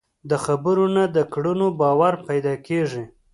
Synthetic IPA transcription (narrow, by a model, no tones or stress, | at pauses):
d̪əxabəɾonad̪əkɽənobɑwaɾpajd̪ɑkeʐi